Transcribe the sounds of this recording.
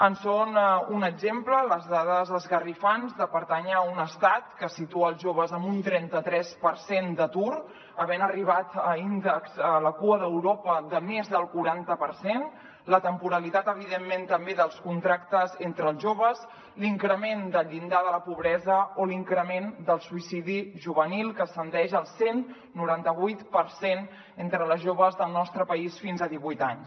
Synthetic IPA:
ənsonunəɡzemplələzðaðəzðəzɣərifanzðəpəɾt̪aɲəunəst̪at̪kəsit̪uəːlˠʒoβəzəmbunt̪ɾɛnt̪ət̪ɾɛspəɾsend̪ət̪uɾ | əβɛnəriβat̪əind̪əksələkuəðəwɾopəðəmezðəlˠkuɾant̪əpəɾsen | lət̪əmpuɾəlit̪at̪əβ̞iðemːent̪əmbeðəlˠskunt̪ɾakt̪əzent̪ɾəlˠzʒoβəz | liŋkɾəmend̪əʎind̪aðələpuβɾɛzəoliŋkɾəmend̪əlˠsuisiðiʒuβənilˠkəsənd̪ɛʒəlˠsenː | uɾant̪əβujt̪pəɾsen | ent̪ɾələʒoβəzðəlˠnɔst̪ɾəpəisfinzəðiβujt̪aɲs

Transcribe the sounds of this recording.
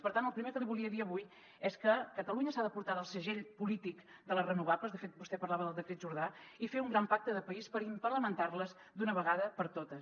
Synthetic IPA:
pəɾt̪anəlˠpɾimeɾkəlβulˠiəðiəβuj | ɛskəkət̪əluɲəsaðəpuɾt̪aðəlˠsəʒeʎpulit̪ikd̪ələrənuβaβləzðəfet̪̚bust̪ɛpəɾlaβəðəlˠd̪əkɾet̪̚ʒuɾðaifeuŋɡɾampak̚t̪əðəpəispəɾimpəɾləmənt̪arləz | d̪unəβəɣaðəpəɾt̪ot̪ə

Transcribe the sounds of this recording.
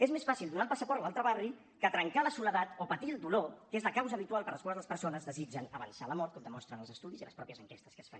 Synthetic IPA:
ezmesfasilˠd̪unampasəpɔɾt̪lalˠt̪ɾəβari | kət̪ɾəŋkaləsuləðat̪opət̪iəlˠd̪ulokezləkawzəːβit̪ualˠpəɾləskwalzðələspəɾsonəzðəzid͡ʒənəβənsaləmɔɾt̪kɔmd̪əmɔst̪ɾənəlˠzəst̪uðiziləspɾɔpjəzəŋkest̪əskəsfa̰

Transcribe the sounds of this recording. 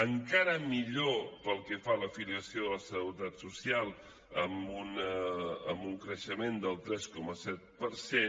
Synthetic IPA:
əŋkaɾəmiʎopəlˠkəfaləfiliəsioəsəut̪at̪susialˠ | əmun | əmbuŋkɾəʃəmend̪əlˠt̪ɾɛskɔməsɛt̪̚pəɾse

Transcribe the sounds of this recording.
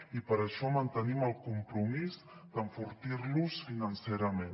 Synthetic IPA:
ipəɾəʃɔmənt̪əniməlˠkumpɾumiz | d̪̥əɱfuɾt̪iɾlusfinənseɾəmẽn

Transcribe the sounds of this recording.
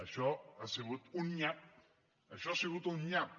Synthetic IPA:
aʃɔaseɣut̪unɲat̚ | aʃɔaseɣut̪unɲap̚

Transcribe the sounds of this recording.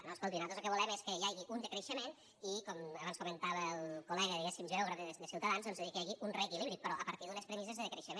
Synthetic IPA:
noəskolˠt̪inat̪ozlˠk̬əβulɛmeskəjajɣiʔund̪əkɾəʃəmen | ikɔməβanskumənt̪aβəlˠkulɛɣəðiɣɛsimʒeɔɣɾəfd̪əsiwt̪əðanzðɔnzəikəjaɣiʔunrɛkiliβɾik̪̚pəɾɔʔəpəɾt̪iðunəspɾəmizəzðəðəkɾəʃəmẽn

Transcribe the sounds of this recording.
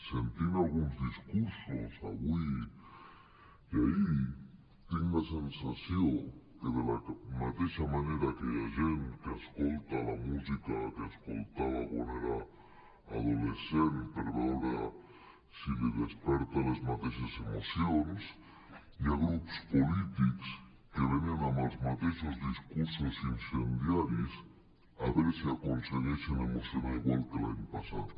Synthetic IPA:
sent̪inalɣunzðiskuɾsosa̰βwi | iai | t̪eŋlasensasjokeðelamat̪eʃamaneɾakeʎaʒent̪keaskolt̪alamuzikakeaskolt̪aβaβoneɾa̰ː | ðolesenpeɾβɛwɾa | sileðespɛɾt̪alezmat̪eʃasemosjons | iaɣɾupspolit̪iks | keβenianamalzmat̪eʃozðiskuɾsosinsend̪jaɾis | aβeɾseakonseɣesenemosoβaiɣwalk̪elaɲpasa̰t̪

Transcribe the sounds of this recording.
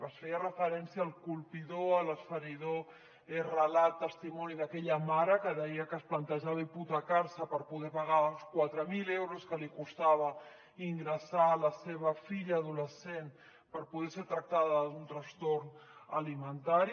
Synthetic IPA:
əsfejərəfəɾɛnsjiaːlˠkulˠpiðoələsfəɾiðo | erəlat̪ːəst̪imɔniðəkɛʎəmaɾəkəðɛjəkəːsplənt̪əʒaβiput̪akaɾsəpəɾpuðɛpaɣaulskwat̪ɾəmilewɾuskəlikust̪aβə | iŋɡɾəsaləseβ̞əfiʎaːðuləsen | pəɾpuðɛseɾt̪ɾək̚t̪aðəðunt̪ɾəst̪ornə̰limənt̪aɾi

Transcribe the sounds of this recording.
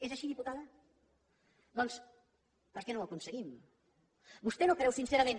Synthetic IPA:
ezəʃiðiput̪aðə | d̪ɔns | pəɾkɛnowəkunsəɣim | bust̪ɛnokɾɛwsinseɾəmẽn

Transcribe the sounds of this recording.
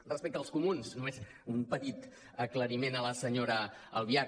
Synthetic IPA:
rəspek̚t̪əlˠskumunsnumez | umpət̪it̪ | əkləɾimenələsəɲoɾəːlˠβia

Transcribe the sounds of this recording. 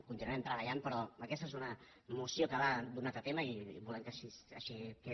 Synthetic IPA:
kunt̪inuɛmt̪ɾəβəʎanpɾɔəkɛst̪əezunə | musiokəβad̪unat̪ət̪eməḭβulɛmkəsiə̰ʃikɛ

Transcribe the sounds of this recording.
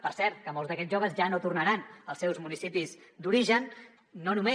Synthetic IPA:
pəɾsɛɾt̪̚kəmolˠzdəkɛʒoβ̞əzʒanot̪urnəɾanəlˠsɛwzmunisipizd̪uɾiʒənː | onume

